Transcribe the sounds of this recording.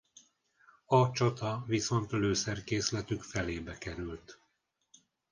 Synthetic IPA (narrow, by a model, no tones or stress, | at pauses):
ɒt͡ʃɒt̪ɒviso̞nt̪løːsɛrkeːslɛt̪ykfɛleːbɛkɛɾylt̪